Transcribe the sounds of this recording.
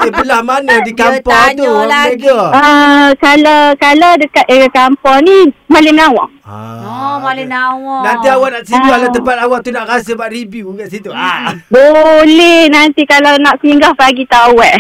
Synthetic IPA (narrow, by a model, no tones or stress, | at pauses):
əpəlahmanədikampɔt̪ueɡaəkalawkalawdəkat̪ʔ̪kampɔŋnimalɪmnawa̰ʔ | alawnant̪iawaʔnaʔsidualat̪əmpat̪̚awaʔt̪unaʔrasəbaʔribjuɡaʔsit̪ubolɛhnant̪ikalawnaʔsəiŋɡahpaɡit̪awɛʔ